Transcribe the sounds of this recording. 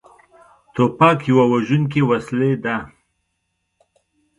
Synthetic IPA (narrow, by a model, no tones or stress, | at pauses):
t̪opɑkjawawaʒunk̬ewasled̪a